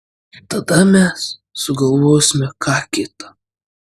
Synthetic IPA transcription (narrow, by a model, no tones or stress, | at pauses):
t̪ɐd̪ɐmʲɛssʊɡɐlˠʋoːsʲɪmʲɛkɑːkʲɪt̪ɐ